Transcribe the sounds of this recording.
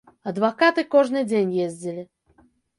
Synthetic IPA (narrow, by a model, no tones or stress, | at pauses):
ɐd̪vakat̪ɨkɔʐnɨd͡zʲenʲjezʲd͡zʲilʲi